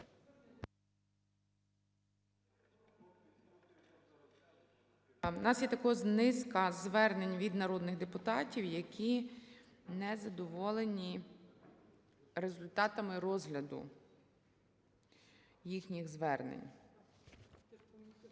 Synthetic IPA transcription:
nɑsjɛt̪ɐkɔznɪskɐzʋɛrne̞nʲʋʲid̪nɐɾɔd̪nɪɣd̪epʊt̪ɑtʲiwjɐkʲʰi | nɛzɐd̪ɔʋɔlˠenʲi | ɾezʊlʲt̪ɑt̪ɐmɪɾɔzɦlʲɐd̪ʊ̰ | jixnʲiɣzʋɛrnḛnʲ

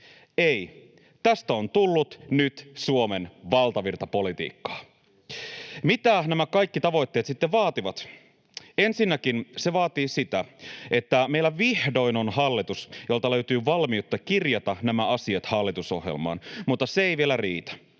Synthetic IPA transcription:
ei | t̪æst̪æont̪ulːut̪nyt̪suomenʋɑlt̪ɑʋirt̪ɑpo̞lit̪ḭːkːɑ̥ː | mit̪ænæmækɑjkːit̪ɑʋo̞jt̪ːeːt̪sit̪ːeʋʋɑːt̪iʋɑt̪ | ensinːækinseʋɑːt̪iːsit̪æet̪ːæmeilːæʋihdo̞inonhɑlːit̪usjolt̪ɑløyt̪yːʋɑlmiut̪ːɑkirjɑt̪ɑnæmæɑsiɑt̪hɑlːit̪uso̞̰hjḛlmɑ̰ːnmut̪ːɑseeijʋielærḭːt̪æ̥

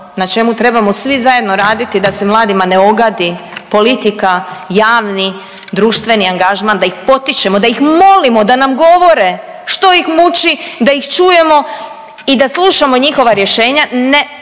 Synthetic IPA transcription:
nat͡ʃe̞mut̪ɾe̞bamo̞sʋizaje̞d̪no̞ɾaːd̪it̪id̪asemlˠaːd̪imane̞o̞ɡad̪ipo̞lit̪ikajaːʋni | d̪ɾuːʃt̪ʋe̞niaŋɡaʒmand̪aixpo̞t̪it͡ʃe̞mo̞d̪aixmo̞limo̞d̪anamɡo̞ʋo̞ɾe̞ | ʃt̪o̞ixmut͡ʃid̪aixt͡ʃuje̞mo̞ | id̪aslˠuʃamo̞ɲixo̞ʋaɾje̞ʃe̞ːɲane

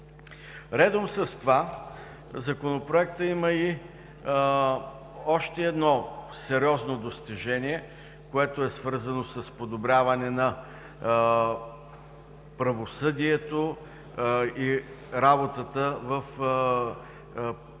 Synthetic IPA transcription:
ɾɛd̪omsɐst̪va | zɐkonopɾoɛkt̪əiməi | ɔʃt̪ɛɛd̪nɔsɛɾʲɔznod̪ost̪iʒɛnʲiɛ | koɛt̪oɛsvɤɾzɐnosəspod̪obɾʲavɐnɛnɐ | pɾɐvosɤd̪iɛt̪o | i | ɾabot̪ət̪əvəf

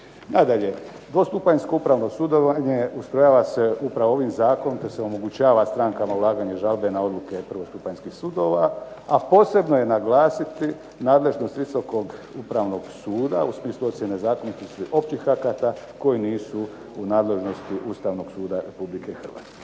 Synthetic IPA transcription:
nad̪aʎe̞ | d̪ʋo̞st̪upajɲsko̞upɾaːʋno̞sud̪oʋaɲe̞ust̪ɾojaːʋase̞upɾaʋooʋimzaːkonot̪eseo̞mo̞ɡut͡ɕaːʋast̪ɾaŋkamaulˠaːɡaɲeʒalbe̞nao̞d̪luke̞pr̩ʋo̞st̪upaɲskixsud̪o̞ːʋaapo̞ːse̞bno̞je̞naɡlaːsit̪i | naːd̪le̞ʒno̞st̪ʋiso̞ko̞ɡupɾaʋno̞ɡsuːd̪ausmiːslˠuo̞t̪sjene̞zaːkonit̪ist̪iʔo̞pt͡ɕixakat̪ako̞jiniːsu | unaːd̪le̞ʒno̞st̪iʔust̪aːʋno̞ɡ̥suːd̪aɾe̞publike̞ixr̩ʋa̰ːt̪ske

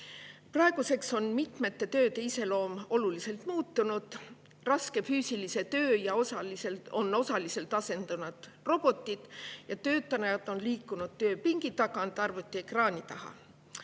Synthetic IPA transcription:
prɑe̞ɡ̥use̞kso̞nmit̪me̞t̪ːe̞t̪ø̞ːt̪e̞ise̞lo̞ːmo̞lulise̞lt̪muːt̪ːunud̪̥ | rɑske̞fyːsilise̞t̪ø̞ːjɑosɑliselo̞nːo̞sɑlise̞lt̪ɑse̞nd̪̥ɑnud̪̥ | ro̞b̥o̞t̪ːˑid̪̥jɑt̪ø̞ːt̪ːˑɑnɑjɑt̪o̞nliːkːˑunud̪̥̚t̪ø̞ːpiŋɡ̥it̪ɑɡ̥ɑnd̪̥ɑrvut̪ːˑiekrɑːnʲit̪ɑhɑ̰

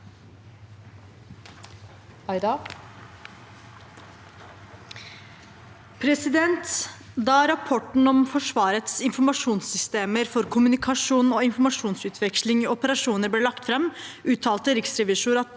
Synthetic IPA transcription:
ɑɪd̪ɑ | pʰɾɛsɪd̪ɛnt̪ | d̪ɑɾɑpʰɔʈɳ̩ɔmfɔʂʋɑːɾət̪sɪnfɔɾmɑʂuːnsʏst̪eːməɾfɔɾkʰʊmʉnɪkʰɑʂuːnoːɪnfɔɾmɑʂuːnsʉːt̪ʰʋɛkʃlɪŋiɔpəɾɑʂuːnəɾbleːlɑkt̪fɾɛmʔʉːt̪ʰɑːlt̪əɾɪksɾɛʋiːʂʊɾɑt̪

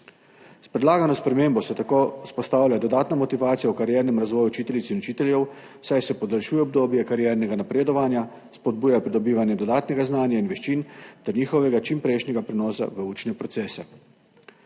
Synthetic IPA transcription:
spɾɛd̪laːɡanɔspɾɛmeːmbɔsɛt̪akoːspɔst̪aːwlʲad̪ɔd̪aːt̪namɔt̪iʋaːt̪sijaukaɾjɛɾnɛmɾazʋɔːjut͡ʃiːt̪ɛlʲit̪sinɔt͡ʃiːt̪ɛlʲjɛw | sajsɛpɔd̪alʃuːjɛɔb̚d̪oːbjɛkaɾjɛːɾnɛɡanapɾeːd̪ɔʋanja | spɔd̪̚buːjapɾid̪ɔbiːʋanjɛd̪ɔd̪aːt̪nɛɡaznaːnjainʋɛʃt͡ʃint̪ɛɾniːxɔʋɛɡat͡ʃimpɾɛjʃnɛɡapɾɛnɔːsa̰ʋəuːt͡ʃnɛpɾɔt̪sɛːsɛ

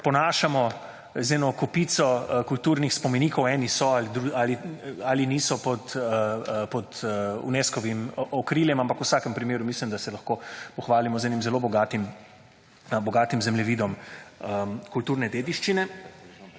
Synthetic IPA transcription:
pɔnaːʃamɔ | zɛnɔkɔpiːt̪sɔkult̪uːɾnixspɔmɛniːkɔwɛːnisɔalid̪ɾualiaːliniːsɔpɔt̪əpɔd̪ṵneːskɔʋimʔɔkɾiːljɛmampakuwsaːkəmpɾimeːɾumislimd̪asɛlɐxkopɔxʋaːlimɔzɛːnimzɛloːbɔɡaːt̪im | bɔɡaːt̪imzɛmlɛʋiːd̪ɔməkult̪uːɾnɛd̪eːd̪iʃt͡ʃinɛ

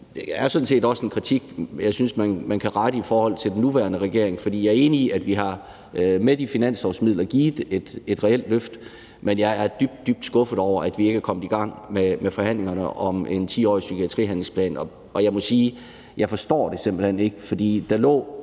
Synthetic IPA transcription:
d̥eæɐsɔ̽dn̩se̝̰ːdɒ̽səe̝nkʰʁit͡sʰiɡ̥jɑ̈ɪsynsmænmænkʰæʁɑɾ̥əifɒːhɒ̽l̰t͡sʰe̝ld̥enːuʋæːɐnəʁɛɡ̥e̝ɐ̰e̝ŋfɒ̽d̥ḭːjɑ̈ɐe̝ːniiæd̥ʋiɦɑ̈ | med̥ifinæn̰sɒsmið̰ˠlɐɡ̥iːðˠe̝d̥e̝d̥ʁɛel̰̥løfd̥ | menjɑ̈ɪæɐd̥yb̥d̥ːyb̥̚d̥sɡ̥ɔ̽fəð̩ˠɒʊ̰ɐʔæd̥ʋie̝ɡ̥ækʰɒ̽m̰əð̥̩ˠiɡ̥ɑ̈ŋ̰memefɒ̽hæn̰le̝ŋɐnəʔɒ̽me̝nt͡sʰḭːɒ̰ːisykʰiæt͡sʰʁḭːɦænl̩spʰlɛ̰ːnɒ | ɒ̽jɑ̈ɪmɒ̽siː | jɑ̈ɪfɒ̽sd̥ɒ̰ːd̥e̝semb̥l̩hene̝ɡ̥əfɒ̽d̥ḭːd̥ɑ̈lɔ̰̽ː

